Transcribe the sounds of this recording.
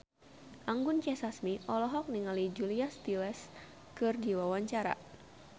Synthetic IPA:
ʔaŋɡʊnt͡ʃɛsasmiʔɔlɔɦɔk̚niŋalid͡ʒuliast̪ilɛs | kɨrdiwawaɲt͡ʃaɾa̰

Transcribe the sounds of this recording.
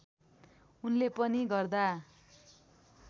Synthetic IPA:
unlepʌniɡʌrd̪a

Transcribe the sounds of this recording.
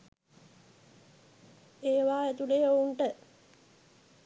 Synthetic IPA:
eːʋaːet̪uleːouɳʈə

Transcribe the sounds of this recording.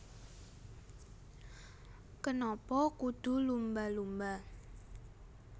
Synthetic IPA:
kənɔpɔkud̪̥ṳlumbalumba

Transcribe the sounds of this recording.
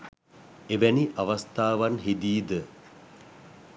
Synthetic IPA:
eʋæniʔaʋast̪aːʋanɦid̪iːd̪ə

